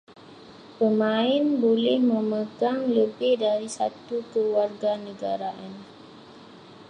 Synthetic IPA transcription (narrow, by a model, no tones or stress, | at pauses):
pəmaɪnbolɛhməməɡaŋləbɪhdaɾisa̰t̪ukəluarɡanəɡaɾaʔan